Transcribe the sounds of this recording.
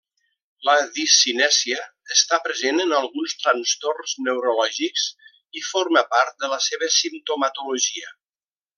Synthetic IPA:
ləðisinɛsiəːst̪apɾəzenənəlˠɣunst̪ɾənst̪orznəwɾolɔʒiks | iforməpaɾt̪̚d̪ələseβəsimt̪umət̪uloʒiə

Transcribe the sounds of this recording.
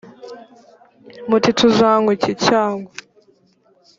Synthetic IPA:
mutitʰuzaːŋɡucicaːŋɡwa

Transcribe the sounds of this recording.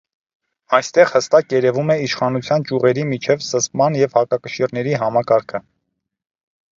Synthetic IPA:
ɑjst̪ɛʁhəst̪ɑkjɛɾɛvumɛiʃχɑnut͡sʰjɑnt͡ʃuʁɛɾimit͡ʃʰɛvsəspmɑnjɛvhɑkɑkəʃiɾnɛɾiɦɑmɑkɑɾkʰə

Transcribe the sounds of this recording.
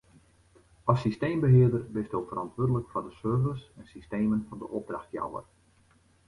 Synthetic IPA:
ɑsːisteːmbəɦɪərdərbɪstolˠfərɑntʋʊːədələkfɔndəsørvəsɛnsisteːmənfɑndəʔɔb̚draxtja̰wə̰r

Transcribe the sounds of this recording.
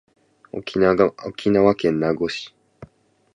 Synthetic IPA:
ookʰʲinawakẽnːaɡoɕi̥

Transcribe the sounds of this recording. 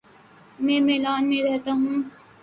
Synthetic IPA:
mɛ̃ːmeːlaːnmẽɾɛɦt̪aɦũː

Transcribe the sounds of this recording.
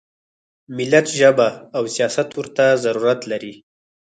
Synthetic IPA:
mɪlat̪ʒəbaːwsijɑsat̪wʊɾt̪azaɾuɾat̪laɾi

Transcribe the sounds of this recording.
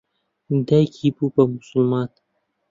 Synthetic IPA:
d̪ajkʰipupamʊsʊlmɑt̪

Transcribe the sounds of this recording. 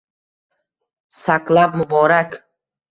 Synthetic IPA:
saklabmʊbɔɾak

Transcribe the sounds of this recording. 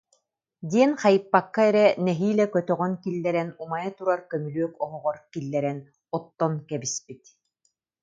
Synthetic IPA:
d̪iɛnχajɯpːakːaɛɾɛnɛɦiːlɛkœt̪œʁœnkilːɛɾɛnumajat̪uɾaɾkœmylyœkɔɦɔʁɔɾkilːɛɾɛn | ɔt̪ːɔnkɛbispit̪

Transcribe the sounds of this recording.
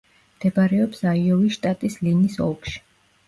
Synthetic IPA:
md̪̥ɛbaɾɛɔpsaiɔviʃt̪ʼat̪ʼislinisɔ̰lˠkʃi̥

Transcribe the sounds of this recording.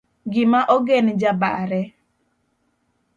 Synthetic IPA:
ɡɪmaʔɔɡend͡ʒaba̰ɾɛ

